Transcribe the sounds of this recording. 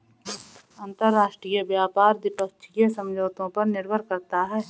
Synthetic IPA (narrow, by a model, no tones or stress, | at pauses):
ɐ̃nt̪əɾːaːʃʈɾijəʋjaːpaːɾd̪ɪpək̚t͡ʃʰijəsɐ̃md͡ʒʱoːt̪õpɐɾnɪɾbʱəɾkɐɾt̪aɦɛː